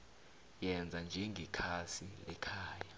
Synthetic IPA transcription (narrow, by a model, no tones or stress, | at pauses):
jɛnd͡zʱand͡ʒʱeŋɡʱikʰasilɛkʰaːja